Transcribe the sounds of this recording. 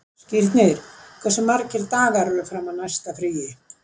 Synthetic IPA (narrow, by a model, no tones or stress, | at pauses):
sciɾt̪nɪɾ̥kʰvɛsːʏmːaɾcɪɾt̪aːɣaɾʏɾʏfɾamaðnajst̪afɾiːjɪ